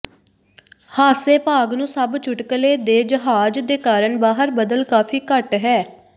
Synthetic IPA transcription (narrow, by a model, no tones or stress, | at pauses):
haːseːpaːɡnũːsəbt͡ʃʰʊʈkleːd̪eːd͡ʒəɦaːd͡ʒd̪eːkaːɾəɳbaːɦəɾbəd̪əlkaːpʰiːkəʈɦɛː